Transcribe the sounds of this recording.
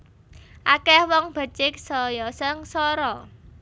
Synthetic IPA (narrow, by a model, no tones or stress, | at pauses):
ʔakɛhwɔŋb̥ə̤t͡ʃɪk̚sɔjɔsəŋsɔɾɔ